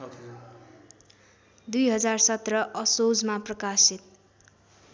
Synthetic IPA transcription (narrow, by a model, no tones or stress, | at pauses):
d̪ujɦʌd͡zarsʌt̪rʌʔʌsod͡zmaprʌkasit̪̚